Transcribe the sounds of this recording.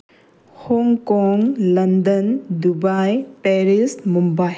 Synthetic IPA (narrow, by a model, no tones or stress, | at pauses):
hɔŋkɔŋlɐnd̪əndubajpeɾismumbaj